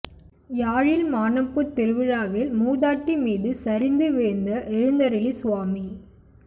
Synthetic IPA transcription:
jaːɻɪlmaːnɐpːɯt̪ːɪɾʋɪɻaːʋɪlmuːðaːʈːimiːðɯsɐɾɪnd̪ɯʋeːɾnd̪ɐʔɛɻɯnd̪ɐɾɪlɪsʊʋaːmi

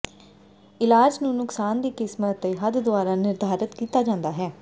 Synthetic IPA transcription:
ɪlaːd͡ʒnũːnʊksaːnd̪iːkɪsmət̪ːeːɦəd̪d̪ʊaːɾaːnɪɾd̪ʱaːɾət̪kiːt̪aːd͡ʒãːnd̪aːɦɛː

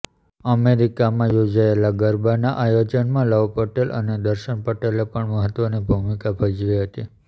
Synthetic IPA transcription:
əmeɾikamãjod͡ʒaelaɡəɾbanaʔajod͡ʒənmãləʋpəʈelʔə̰ned̪əɾʃəɳpəʈelepəɳməɦət̪ʋənibʱumikapʰəd͡ʒʋiɦət̪i

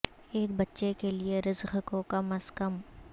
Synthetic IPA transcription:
eːk̚bɐtːʃekelieɾɪzqkõkɐməskəm

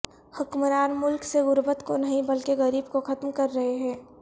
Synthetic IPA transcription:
hɐkmɾaːnmʊlkseɣʊɾbət̪konɐɦĩbɐlkeɣɐɾiːbkoxʰɐt̪mkɐɾːɐɦeɦɛ̃ː

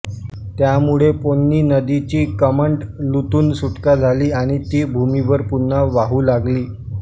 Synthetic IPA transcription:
t̪jamuɭeponːiːnəd̪it͡ɕiːkəməɳʈlut̪uːnsuʈkad͡zʱaliːaɽ̃it̪iːbʱumiʋəɾpun̤ːaʋaɦuːlaɡliː

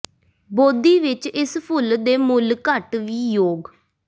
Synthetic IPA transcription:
boːd̪iːʋɪt͡ʃɪspʰʊld̪eːmʊlkəʈʋiːjoːɡ

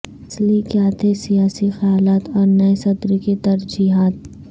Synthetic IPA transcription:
ɐslikjaːt̪ʰesijaːsixɐjaːlaːt̪ɔːɾnɐesɐd̪ɾket̪ɐɾd͡ʒiɦaːt̪

